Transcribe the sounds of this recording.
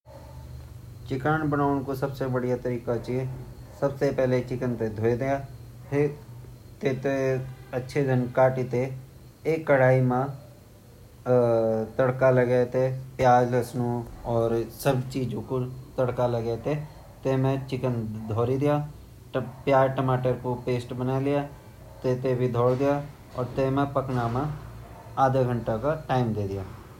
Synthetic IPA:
t͡ʃɪkaːnbənaːʊnkosəbsebəɽijat̪əɾiːkat͡ʃiesəbsepɛːlet͡ʃɪkənt̪ed̪ʱoːed̪ejaː | t̪eːt̪eətːʃʰed̪ʱənkaːʈit̪e | eːkːəɽ̤aːimã | t̪əɽkaləɡɛt̪epjaːd͡ʒəsnõɔːɾsəbt͡ʃiːd͡ʒõkot̪ɐɽkaləɡet̪e | t̪eːmẽt͡ʃɪkənd̪ʱɔːɾid̪ɪjaː | pjaːɾʈəmaːʈəɾkopeːsʈbənaːlɪjaː | t̪et̪ebʱid̪ʱɔːɽd̪ɪja | ɔːɾt̪emẽpəknamã | aːd̪eɡʱəɳʈakaʈaːɪmd̪eːd̪ɪjaː

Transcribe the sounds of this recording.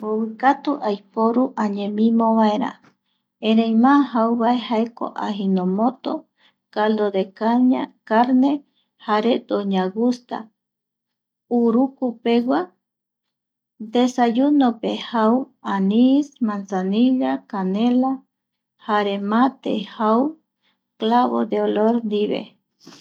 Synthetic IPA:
bowɨkat̪uʔajpoɾuʔaɲẽmĩmõβaeɾa̰ | ẽɾejmãɦauβaehaeko̰ʔaɦinõmõt̪o | kald̪od̪ekaɲa̰kaɾne | haɾed̪oɲaɡust̪a̰ | uɾukupewa | d̪esajunopehaw | anismansaniɣakanela | haɾemat̪ḛhaw | klaβo̰d̪eoloɾnd̪iβḛ

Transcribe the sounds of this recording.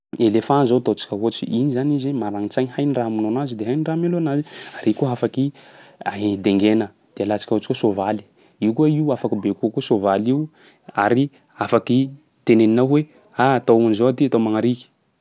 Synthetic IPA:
elefãnzot̪ot͡ʃi̥kʲəɦot͡ʃḭʔinizanizimaɾaŋit͡saɲihajniramunonazid̪eɦajnirameloanaziaɾʔikuɦafakia̰ɦeid̪eŋɡenə | d̪̥ealat͡ʃi̥kʲaot͡ʃi̥kusovali̥ | iukueiuafakibekukusovaliu | aɾi | afaki | t̪eneninawwe | at̪aunizoat̪iat̪omaŋaɾiki̥

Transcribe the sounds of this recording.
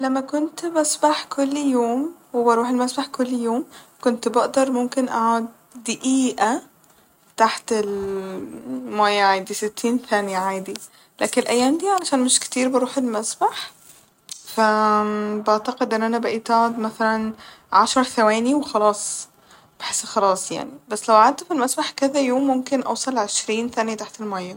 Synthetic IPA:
lamːakʊnt̪basbaħkʊlːjoːmwɪbɑɾˤuːħɪlmasbaħkʊlːjoːmkʊnt̪bɑʔd̪ɑɾˤmʊmkɪnʔa̰ʕad̪̚ː | ɪʔiːʔa | t̪aħt̪ɪl | majaʕaːd̪isɪt̪ʰːiːnθaːnɪjaʕaːd̪i | laːkɪnɪlʔajːaːmd̪iːʕalaʃaːnmɪʃkt̪iːɾbɑɾˤuːħɪlmasbaħ | fa | baʕt̪aqɪd̪ʔɪnːʔænabaʔiːt̪aːd̪maθalanʕaʃɑɾˤθawæːniwxɑlɑːsˤ | b̥aħɪsːxɑlɑːsˤja̰ʕnibasːlawʔaʕad̪̚t̪filmasbaħkɪðajoːmːʊmkɪnʔɑ̰wsˤɑlʕeʃɾiːnθaːnjat̪aħt̪ɪlmajːa

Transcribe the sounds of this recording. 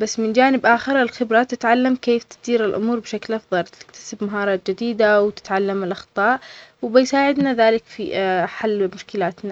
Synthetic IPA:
basːmɪnd͡ʒaːnɪbʔaːxɪɾˤɪlxɪbɾat̪ɪt̪ʕalːamkeːft̪ɪ̥d̪iːɾɪlʔʊ̰muːɾbɪʃaklʔɑfðˤɑlt̪ɪ̥kt̪ʰḁsɪbmaɦɑːɾˤɑːt̪̚d͡ʒɪd̪iːd̪awt̪ɪ̥t̪ʕalːamɪlʔɑxt̪ˤɑːʔwbɪjsaːʕɪd̪naðaːlɪkfḭħalːmʊʃkɪlaːt̪na

